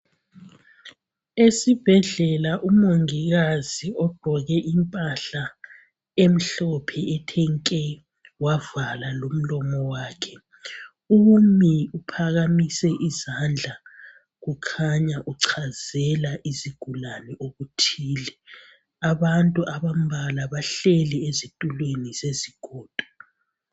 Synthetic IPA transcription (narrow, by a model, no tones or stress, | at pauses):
esib̥ʱɛɮɛlaʔumoŋiɣaziɔɡ͡ǃ̥ʱɔɣɛʔimpʼaɬa | em̩ɬɔpʰɛɛtʰɛŋkʼɛ | wavalalom̩lɔmɔwaːkʰɛ | umiupʰaɣamisɛʔizand͡ɮʱa | ɣukʰaɲaʔuǀʰazɛlaʔiziɡ̥ʱulanɛʔoɣutʰiːlɛ | aβantʼuʔaβam̩bʱalaβaɬɛlɛezitʼulwenizeziɡ̥ʱɔːd̥ʱʼɔ